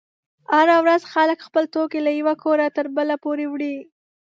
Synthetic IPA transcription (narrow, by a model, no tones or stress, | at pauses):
haɾawɾazxaləkxpəlt̪okelajawakʰoɾat̪əɾbəlapoɾewɽi